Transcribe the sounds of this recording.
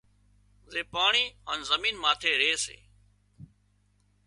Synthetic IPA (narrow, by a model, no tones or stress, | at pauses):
zeːpaːɳiːəːnzəmiːnmaːt̪ʰeːɾeːsḛː